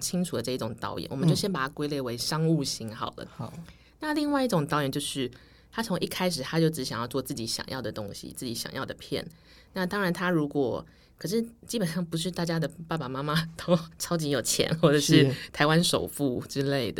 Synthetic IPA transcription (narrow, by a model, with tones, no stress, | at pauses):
t͡ɕʰi˥ŋʈ͡ʂʰu˨˩d̪ə˦ʈ͡ʂɤ˥˧i˥˩ʈ͡ʂʊ˨˩ŋt̪ɑ̰˥˧ʊjɛ̰˨˦nwɔ˨˩mə˦nt͡ɕo˥˩ʊɕjɛ˥npa˨˩t̪ʰa˥kwe˥ɪle˥˩ɪwe˧˥ɪʂɑ˥ŋu˥˩ɕi˧˥nxɑ˨˩ʊlə̰˩ | na˥˧li˥˧ŋwa˥˧ɪi˥ʈ͡ʂʊ˨˩ŋt̪ɑ˥˧ʊjɛ˨˩nt͡ɕjo˥˧ʊʂɻ̩˥˩ | t̪ʰa˥t͡sʰʊ˧˥ŋʔi˥˩kʰa˥ɪʂɻ̩˨˩t̪ʰa˥t͡ɕjo˥˩ʊʈ͡ʂɻ̩˧˥ɕŋjɑ˥˧t͡swɔ˥˧t͡sɹ̩˥˩t͡ɕi˧˥ɕjɑ̰˨˩ŋjɑ̰˥˩ʊd̪ə˩t̪ʊ˥ŋɕḭ˨t͡sɹ̩˥˩t͡ɕi˧˥ɕjɑ̰˨˩ŋjɑ˥˩ʊd̪ə˩pʰjɛ̰˥˩n | na˥˩t̪ɑ˥ŋɻa˧˦nt̪ʰa˥ɻu˧˥kwɔ˨˩ | kʰɤ˨˩ʂ̬ɻ̩˥˩t͡ɕi˥pə˨˩nʂɑ˥˩ŋpu˧˥ʂ̬ɻ̩˥˧t̪a˥˩t͡ɕja˥d̪ə˨pa˥˩ba˨˩ma˥ma˧t̪o˥ʊʈ͡ʂʰɑ˥ʊt͡ɕi˧˥jo˨˩ʊt͡ɕʰjɛ̰˧˥nxwɔ˥˩ʈ͡ʂɤ˨˩ʂɻ̩˥˨t̪ʰa˧˥ɪwa˦nʂo˨˩ʊfu˥˩ʈ͡ʂɻ̩˥le˥˩ɪd̪ə˩